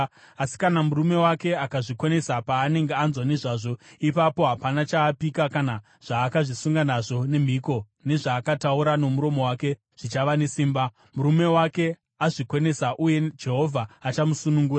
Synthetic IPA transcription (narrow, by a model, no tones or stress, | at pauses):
asi̥kanamuɾume̞wake̞akaʐikwe̞ne̞sapaːne̞ŋɡeanzwane̞ʐaːʐo̞ipapo̞ɦapanat͡ʃaːpikakana | ʐ̥aːkaʐisuŋɡanaʐo̞ne̞m̤iko̞ | ne̞ʐaːkatauɾano̞muɾo̞mo̞wake̞ | ʐ̥it͡ʃaʋane̞siːmba | muɾume̞wake̞ | aʐikwe̞ne̞saʔuje̞d͡ʒe̞ɦo̞vʱaːt͡ʃamusunuŋɡuːra